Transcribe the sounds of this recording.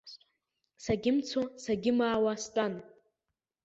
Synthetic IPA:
saɡʲɪmt͡sʰosaɡʲɪmaːwastʷʼan

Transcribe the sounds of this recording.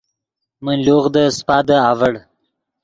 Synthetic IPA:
mənloɣd̪əspɑːd̪əavəɽ

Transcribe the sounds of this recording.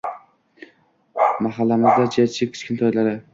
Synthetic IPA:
maɦalːamɪzd̪ad͡ʒʰijaɪkʲʰɪ̥t͡ʃkʲɪnt̪ʰɒjlaɾɪ

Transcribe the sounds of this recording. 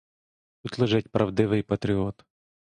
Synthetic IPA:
t̪ut̪ʲlˠɪʒɪtʲpɾɐwd̪ɪʋɪjpɐt̪ɾʲiɔt̪

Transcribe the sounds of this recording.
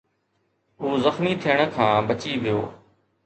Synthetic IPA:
ɦuːzəxmiːt̪ʰɪjəɽ̃kʰãːbət͡ʃiːʋɪjo̰ː

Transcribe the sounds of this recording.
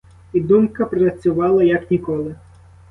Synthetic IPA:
id̪umkɐpɾɐt͡sʲʊʋɑlˠɐjɐknʲikɔlˠɪ

